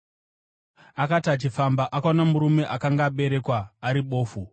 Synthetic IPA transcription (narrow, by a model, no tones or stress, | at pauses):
akatat͡ʃifambaʔakaonamuɾume̞ʔakaŋɡaːɓe̞ɾe̞kwaːɾiɓo̞ːfu